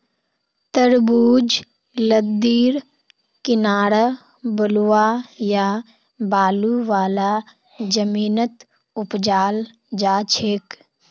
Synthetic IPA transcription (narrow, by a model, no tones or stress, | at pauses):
t̪əɾbuːd͡ʒ | ləd̪iːɾ | kɪnaːɾə | bəlwaja | baːluʋaːla | d͡ʒəmiːnət̪ | ʊpd͡ʒaːl | d͡ʒaːt͡ʃʰeːk